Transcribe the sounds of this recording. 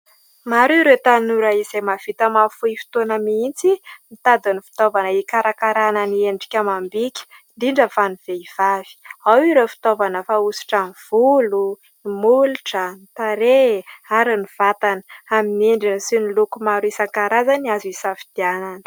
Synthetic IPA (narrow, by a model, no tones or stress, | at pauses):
maɾuɾet̪anuɾaiz̥emav̥it̪əmafuifi̥t̪onəmiint͡simit̪ad̪anifi̥t̪ovanəikaɾakaɾananieɳɖ͡ʐi̥kʲamambikʲi̥nd̪iɳɖ͡ʐəfaniv̥eiv̥avi̥awiɾefi̥t̪ovanəfausi̥ʈ͡ʂamv̥ulu | imuluʈ͡ʂənit̪aɾeaɾaniv̥at̪anə̥amineɳɖ͡ʐinsinilukumaɾuisaŋkaɾazaniazuisafid̪̥iananə̥